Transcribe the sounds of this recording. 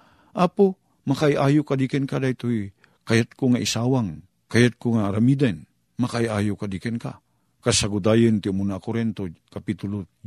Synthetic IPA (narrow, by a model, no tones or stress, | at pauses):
ʔapo | makaiʔaːjʊkad̪ikɛnkad̪ajt̪oj | kajat̪̚koŋaʔisaːwaŋ | kajat̪̚koŋaːɾamid̪an | makajʔaːjʊkad̪ikɛnka̰ | kasaɡʊt̪aːjɪnt̪ɪʊmunakʊɾɛnt̪okapit̪ʊlo